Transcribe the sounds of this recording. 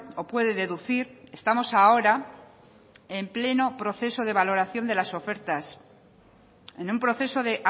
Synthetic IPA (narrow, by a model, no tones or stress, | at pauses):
o̞pwe̞ð̞e̞ðe̞ðuθiɾe̞st̪amo̞sao̞ɾa | e̞mple̞no̞pɾo̞θe̞so̞ð̞e̞βalo̞ɾaθjo̞nd̪e̞laso̞fe̞ɾt̪as | e̞numpɾo̞θe̞so̞ðe̞ʔa